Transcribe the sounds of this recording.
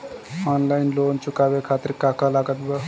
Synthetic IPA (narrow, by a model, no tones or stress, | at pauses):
ɔːnlaːɪnloːnt͡ʃʊkaːbekʰaːt̪ɪɾkaːkalaːɡət̪bə